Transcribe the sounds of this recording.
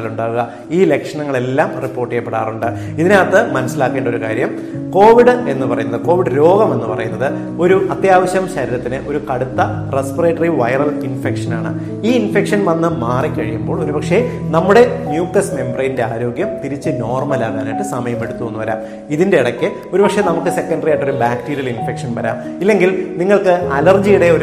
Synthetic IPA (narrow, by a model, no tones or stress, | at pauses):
luɳɖaːʋuɣɐ | iːle̞kʂɐɳɐŋːɐɭe̞lːaːmripːo̞ːrʈːijeɐpːeɽaːruɳɖɨ | iðineɐt̪ːɨmɐnɐsːilaːkːeːɳɖo̞ɾukaːɾjɐm | ko̞ːʋiɽɨe̞nːɨpɐrɐjunːɐðɨko̞ːʋiɽɨɾo̞ːɡɐme̞nːɨpɐrɐjunːɐðɨ | o̞ɾuɐt̪jaːʋɐɕjɐmɕɐɾiɾɐt̪ːinɨʔo̞ɾukɐɽut̪ːɐ | respɐreːʈːɐriʋɐjrɐlinfekʂɐnaːɳɨ̰ | iːinfe̞kʂɐnʋɐnːɐːaːrikːɐɻijumbo̞ːɭo̞ɾupɐkʂe̞nɐmːuɽe̞njuːkʈɐsme̞mbrejnde̞aːɾo̞ːɡjɐmt̪iɾit͡ɕːɨno̞ːrmɐlaːɣðaːnajʈːɨsɐmɐjɐme̞ɽut̪ːuʋonːuʋɐɾa̰ːm | iðinde̞iɽɐkːɨ | o̞ɾupɐkʂe̞nɐmukːɨse̞kːɐnɖɐrijaːjʈːo̞ɾubaːkʈiːɾijɐlinfe̞kʂɐnʋɐɾa̰ːm | ilːe̞ŋɡilniŋːɐɭkɨɐlɐrd͡ʑijuɽe̞oɾ